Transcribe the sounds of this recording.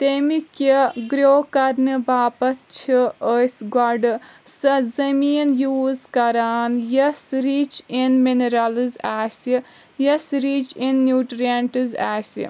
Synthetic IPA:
t̪emikiɡɾoːkɐɾnɨbaːpɐt̪t͡ʃʰiəsɡɔɖɨsɐzɐmiːnjuːzkɐɾaːnjɐsɾiːt͡ʃinmineɾɐlɨzaːsi | jɐsɾiːt͡ʃinːjuːʈɾiaɳʈɨzaːsḭ

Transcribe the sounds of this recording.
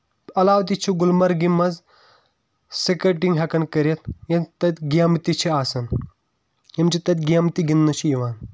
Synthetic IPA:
ɐlaːʋt̪̬it͡ʃʰiɡulmɐɾɡimɐz | sekɾeʈiŋɡɦɐkɐnkɐɾet̪jɐnt̪ɐt̪ʲɡaːmt̪it͡ʃʰiaːsɐn | jɐmt͡ʃʰit̪ɐt̪ʲɡʲaːmt̪iɡinːɐt͡ʃʰijiʋaːn

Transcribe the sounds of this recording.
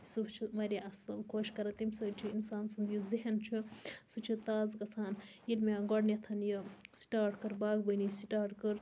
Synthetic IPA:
sut͡ʃʰiʋɐɾʲiʔɐsɐlkʰoːʃkɐɾɐt̪imʲsɨt͡ʃʰiinsaːnsund̪juziɦɐnt͡ʃʰisut͡ʃʰit̪aːzkɐt͡sʰaːn | jilmeɡɐɽnjet̪ʰɐnjisi̥ʈaːɾʈkɨɾbaːɡbənisiʈaːɾʈkɨɾ

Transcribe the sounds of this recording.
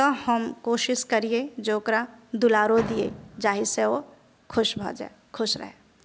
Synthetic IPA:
t̪ɔhəmkoːʃɪʃkɐɾied͡ʒoːkɾad̪ʊlaːɾod̪iḛd͡ʒaːɦiseo | kʰʊʃbʱa̰d͡ʒa̰e | kʰʊʃɾə̰ɦɛː

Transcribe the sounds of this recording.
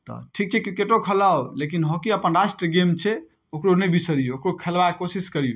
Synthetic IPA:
t̪ɔ̰ʈʰik̚t͡ʃʰɛkɾikeʈokʰəlawlekinɦokiəpənɾasʈɾəɡemt͡ʃʰɛ | okɾonɛbisəɾijookɾokʰelbaekosiskəɾijo

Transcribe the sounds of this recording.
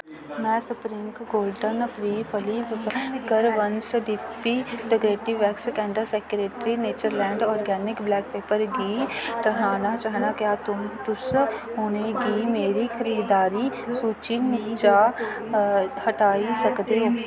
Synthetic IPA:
mɛ̃ːsʊpɾĩːmkɡoːlɖənɐpɾiːpʰəliːbɡɐɾʋɐnsɖipːiʈɪɡɾeːʈiʋɛːkskɛ̃ːɳɖəseːkɾeːʈɾineːt͡ʃəɾlɛ̃ːɳɖɔːɾɡɛːnɪkblɛːk̚peːpəɾɡiːɾɐɦaːnat͡ʃaːɦnakjaːt̪ʊmt̪ʊsɦoːneɡiːmeːɾixɐɾiːd̪aːɾisuːt͡ʃɪnt͡ʃaː | hɐʈaːisɐkd̪eː

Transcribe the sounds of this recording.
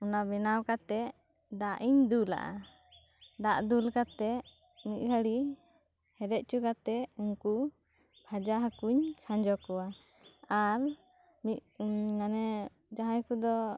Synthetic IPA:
unabɛnawkat̪ɛ | d̪aʔiɲd̪ula̰ʔa̰ | d̪aʔd̪ulkat̪ɛ | mit̪̚ɡʰəɽi | hɛɾɛʔ̪̚ˀt͡ʃukat̪ɛuŋku | bʱad͡ʒaɦakuɲkʰãd͡ʒɔkɔwa | aɾ | minanɛ | d͡ʒaɦãjkud̪ɔ

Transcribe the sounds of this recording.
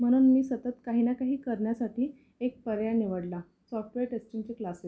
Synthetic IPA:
m̤əɽ̃uːnmiːsət̪ət̪kaɦiːnakaɦiːkəɾɳjasaʈiː | ek̚pəɾjaniʋəɽla | sɔfʈʋeɾʈest͡ɕiŋt͡ɕeklase

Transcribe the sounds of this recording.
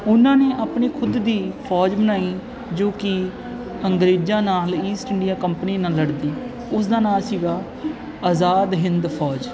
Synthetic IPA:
ʊnãːneːʔaːpneːkʰʊd̪ːiːpʰɔːd͡ʒbənaːiː | d͡ʒoːkɪ | əŋɡɾeːd͡ʒãːnaːliːsʈɪɳɖɪjaːkəmpniːnaːlːəɽd̪iː | ʊsd̪aːnaːlsiːɡaː | aːzaːd̪ɦɪ̃nd̪pʰɔːd͡ʒ

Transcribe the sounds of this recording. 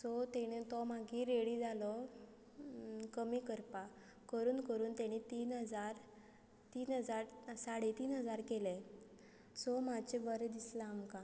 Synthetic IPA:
sɔt̪eɽ̃et̪ɔmaɡiːɾeɽiːd͡zalɔ | kəmiːkəɾpa | kəɾuːnkəɾuːnt̪ɛɽ̃it̪iːnɦəd͡zaɾ | t̪iːnɦəd͡zaɾsaɽet̪iːnɦəd͡zaɾkele | sɔmat͡ɕebəɾed̪islaːmka

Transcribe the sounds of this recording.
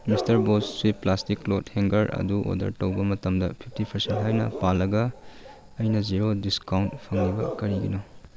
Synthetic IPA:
mistɐɾbosswipːlastiklotheŋɡɐɾɐ̰duʔo̰dɐ̰ɾtɐwbɐmɐtɐmdɐpʰip̚ʰtipʰɐɾsentɦajnɐ̰palːɐɡɐ | ɐjnɐd͡ʒiɾodiskawntpʰɐŋlibɐ̰kɐɾiɡino

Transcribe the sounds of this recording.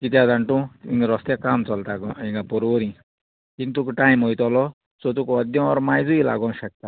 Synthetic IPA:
kit̪ijad̪aɳʈũiŋɡɾɔst̪jakamt͡sɔlt̪akɔĩŋɡapɔɾoɾĩ | kint̪ukʈajmɦojt̪ɔlɔ | sɔt̪̬ukɔd̪jɔ̃ɔɾmajzujla̰ɡɔ̃nʃɛk̚t̪a

